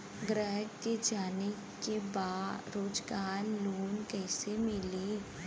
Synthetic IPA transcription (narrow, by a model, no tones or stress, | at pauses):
ɡɾɛːɦkked͡ʒaːne | kebaːɾoːd͡ʒɡaːɾluːnkɛːsemɪle